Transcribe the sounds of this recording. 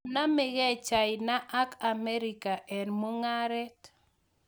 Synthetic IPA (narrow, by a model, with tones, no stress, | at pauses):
na˦me˨ɡɛ˦t͡ʃa˨ɪ˨na˦ʔa˦ka˨mɛ˦ɾi˨ka˨ʔɛ˨nmo˦ŋa˦ɾɛ˦t